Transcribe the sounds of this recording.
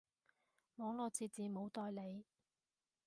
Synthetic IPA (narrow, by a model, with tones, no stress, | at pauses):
mɔː˨˥ŋlɔː˨˧t͡siː˨˧t̚t͡siː˨˧mo˨˧wt̪ɔː˧jle˨˧j